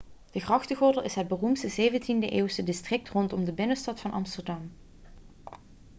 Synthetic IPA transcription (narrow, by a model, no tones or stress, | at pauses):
d̥əɣrɑxtəɣʊɹdəlˠɪsɦəd̚bərumtstəzejvəntindəʔeːwsədɪstrɪk̚trɔntɔmdəbɪnəstɑtfɑnʔɑ̰mstəɹdɑm